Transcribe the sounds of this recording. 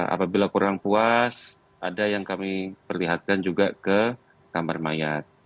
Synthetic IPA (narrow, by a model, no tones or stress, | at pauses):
a̰pabilakuɾaŋpuas | ʔadajaŋkamipərliɦat̪̚kand͡ʒuɡakə | kamarmajat̪̚